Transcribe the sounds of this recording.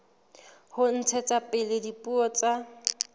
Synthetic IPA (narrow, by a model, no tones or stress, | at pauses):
hʊn̩t͡sʰɛt͡sʼapʼɪlɪdipʼuɔt͡sʼa